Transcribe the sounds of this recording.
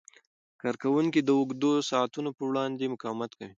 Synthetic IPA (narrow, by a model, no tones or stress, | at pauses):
kɑɾkawuŋkid̪əʊɡd̪osɑːt̪unopəwɽɑnd̪emʊkɑwmat̪kawi